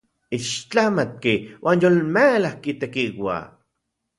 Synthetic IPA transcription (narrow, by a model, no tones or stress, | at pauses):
iʃt͡ɬamat̪̚kewʔaːnjolmelahkit̪ekiwa̰